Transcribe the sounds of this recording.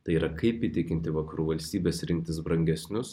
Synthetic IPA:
t̪ɐɪiːɾɐkɐɪpit̪ʲɪkʲɪnʲt̪ʲɪʋɐkɐɾuːʋɐlʲsʲt̪ʲiːbʲeːsɾʲɪŋʲk̚ʲt̪ʲɪsbɾɐŋʲɡʲɛsʲnʲʊs

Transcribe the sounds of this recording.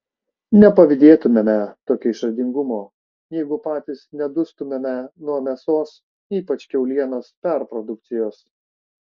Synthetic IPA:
nʲɛpɐʋʲɪd̪ʲeːt̪ʊmʲemʲɛt̪oːkʲoːɪʃɾɐd̪ʲɪŋɡʊmoː | jɛɪɡʊpɑːt̪ʲiːsnʲɛd̪ʊst̪ʊmʲemʲɛnuɔmʲɛsoːs | iːpɐt͡ʃʲkʲɛʊlʲiɛnoːspʲɛɾpɾɔd̪ʊk̚t̪sʲɪjoːs

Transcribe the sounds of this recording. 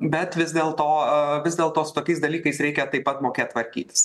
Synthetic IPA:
bʲɛt̪ʋʲɪzʲd̪ʲeːlˠt̪oːʋʲɪzd̪ʲeːlˠt̪oːsʊ̥t̪oːkʲɛɪsd̪ɐlʲiːkɐɪsɾʲɛɪkʲɛt̪ɐɪpɐt̪moːkʲeːtt̪ʋɐɾʲkʲḭːt̪ʲɪ̥s

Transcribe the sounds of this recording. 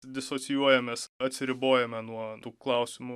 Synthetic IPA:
d̪ʲɪsoːtt͡s̪ʲɪjuɔjɛmʲeːsɐt̪ʲsʲɪɾʲɪboːjɛmʲɛnuɔt̪uːklˠɐˑʊsʲɪmʊ

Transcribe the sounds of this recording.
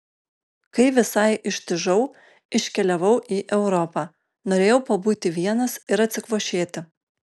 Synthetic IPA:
kɐɪʋʲɪsɐɪʔɪʃʲt̪ʲɪʒɐʊ | ɪʃʲkʲɛlʲɛʋɐʊʔiːʔɛʊɾɔpɑː | noːɾʲeːjɛʊpɐbuːt̪ʲɪʋʲiɛnɐsɪɾɐt̪ʲsʲɪkʋoːʃʲeːt̪ʲɪ

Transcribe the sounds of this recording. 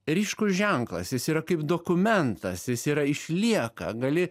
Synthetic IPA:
ɾʲiːʃkʊsʒʲɛŋklˠɐ̰sjɪsiːɾɐkɐɪpd̪oːkʊmʲɛnt̪ɐsjɪsiːɾɐɪʃʲlʲiɛkɐ̰ɡɐlʲɪ

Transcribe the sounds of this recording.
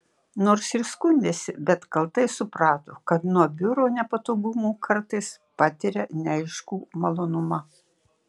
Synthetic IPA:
noːɾsɪɾskʊnʲd̪ʲeːsʲɪbʲɛt̪kɐlˠt̪ɐɪsʊpɾɑːt̪okɐt̪nuɔbʲʊɾoːnʲɛpɐt̪oːɡʊmuːkʰɐɾt̪ɐɪs | pɑːt̪ʲɪɾʲɛnʲɐɪʃkuːmɐlˠoːnʊmɐ

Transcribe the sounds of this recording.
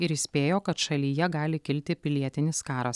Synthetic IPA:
ɪɾɪsʲpʲeːjoːkɐt̪ʃɐlʲiːjɛɡɑːlʲɪkʲɪlʲt̪ʲɪpʲɪlʲiɛt̪ʲɪnʲɪskɑːɾɐs

